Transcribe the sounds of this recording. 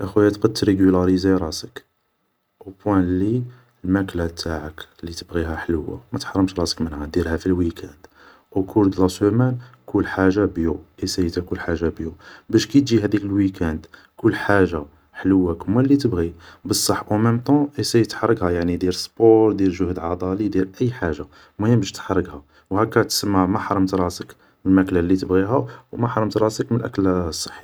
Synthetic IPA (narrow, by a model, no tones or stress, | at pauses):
ʔəxujæt̪qɑd̪t̪ɾeɡylɑɾizeɾˤɑsək | ʔupwæ̃lːi | lmæklæt̪ʰːaʕəklːit̪əbɣiɦæħləwːa̰mæt̪ħɑɾˤːəmʃɾˤɑsə̥kmənhæd̪iɾhæfilwikʰænd̪ | ʔukʰuɾd̪lɑsumænkulːħaʒːabjuʔesæjt̪ækʊlħaʒːabjubæʃkæt̪ʒiɦæd̪ikəlwikænd̪ | kʊlːħaʒːa | ħəlwːækmælːit̪əbɣibəsˤːɑħʔuməmt̪ɑ̃ʔesæjt̪ħɑɾˤːəɡhæjaʕnid̪iɾsˤpoɾd̪iɾʒəhd̪ʕɑd̪ˤɑlid̪iɾʔəjːħaʒːa | mæjæmbəʃt̪ħɑɾˤːəɡha | whækːæt̪səmːamæħɑɾˤəmt̪ɾˤɑsək | mənmæklælːit̪əbɣiɦæwmæħɑɾˤəmt̪ɾˤɑsəkmənlʔæ̰klsˤːɑ̥ħːi̥